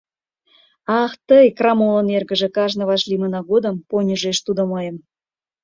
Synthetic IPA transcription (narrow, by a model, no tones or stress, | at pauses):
ɑxt̪əjkrɑmolənerɣə̆ʒĕkɑʒnə̆βɑʃlʲimənɑɣod̪əmponʲəʒeʃt̪ud̪omɤjəm